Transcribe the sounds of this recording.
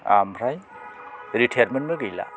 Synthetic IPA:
a̰mʰɾaj | ɾitʰejɾmenmɯɡɯjla̰

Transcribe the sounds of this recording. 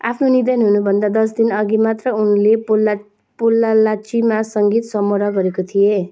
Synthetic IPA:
a̰pʰnonid̪ʌnɦunubʱʌnd̪ad̪ʌs̬d̪inʌɡimat̪rʌunlepol | polːalat͡ʃimasʌŋɡit̪sʌmoɾʌɡʌɾekot̪ʰie

